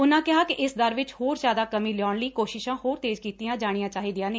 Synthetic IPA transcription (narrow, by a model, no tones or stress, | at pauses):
ʊnãːkɪɦaːkɪʔɪsd̪əɾʋɪt͡ʃhoːɾzjaːd̪aːkəmĩːlɪjaːnləiːkoːʃɪʃãːhoːɾt̪eːd͡ʒkiːt̪ijãːd͡ʒaːɽ̃ijãːt͡ʃaːɦiːd̪ijãːneː